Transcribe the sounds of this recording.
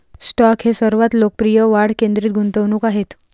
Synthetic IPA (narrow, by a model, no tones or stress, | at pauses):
sʈɔkɦesəɾʋat̪lok̚pɾijəʋaɽkend̪ɾiːt̪̚ɡʱunt̪əʋnuːkaɦet̪